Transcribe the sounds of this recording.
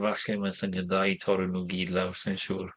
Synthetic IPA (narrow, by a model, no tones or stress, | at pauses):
vaɬɪmansənjəðajtʰɔɾunuːɡiːdlawsɪnʃuːr